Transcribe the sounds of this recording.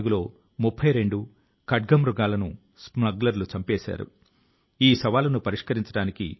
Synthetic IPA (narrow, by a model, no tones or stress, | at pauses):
ɡulo̞ː | mupʰːɐjɾe̞ɳɖu | kɐɖɡɐmɾuɡaːlɐnu | spnɐɡlɐɾlut͡ʃɐmpeːʃa̰ːɾṵ | iːsɐʋaːlɐnupɐɾiʂkɐɾiɲt͡ʃɐɽaːnikḭ